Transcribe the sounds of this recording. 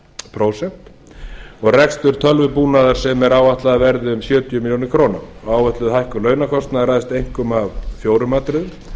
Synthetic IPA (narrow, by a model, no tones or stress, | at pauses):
pʰɾoːwsɛm̥t̪ | ɔɣrɛkst̪ʏɾ̥t̪ʰœlvʏpuːnaðaɾ̥sɛmɛɾaːwaht̪laðavɛɾðɪʏmsjœːt̪iʏmiljoːnɪkʰɾoːna̰mɔaːwvœht̪lʏðhajhkʏlœːɥnakʰɔst̪naðɾaðst̪ejŋ̥kʏmavfjoːwɾʏmaːt̪ɾɪðʏ